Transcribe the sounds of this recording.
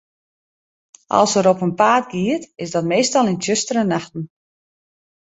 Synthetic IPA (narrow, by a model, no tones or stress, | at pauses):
ʔɑ̰lˠsəɾɔpənpaːtɡiətɪsdɔtmeːstɑlˠɪntjøstəɾənaxtn̩